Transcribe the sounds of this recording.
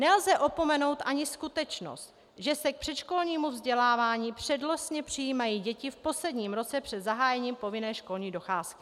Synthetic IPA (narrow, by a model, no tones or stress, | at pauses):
nɛlzɛʔo̞po̞mɛno̞wt̪ʔaɲɪskut̪ɛt͡ʃno̞̰st̪ | ʒɛsɛk̚pr̥ɛt̪ʃko̞lɲiːmuvzɟɛlaːvaːɲiːpr̥ɛdlosɲɛpr̝̥ɪjiːmajiːɟɛcɪfpo̞slɛdɲiːmɾo̞t͡sɛpr̝̥ɛd̪zaɦaːjɛɲiːmpo̞vɪnɛːʃko̞lɲiːdo̞xaːskɪ̥